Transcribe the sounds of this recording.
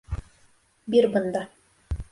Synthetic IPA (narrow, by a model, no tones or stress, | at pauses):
biɾbɤ̆nd̪ɑ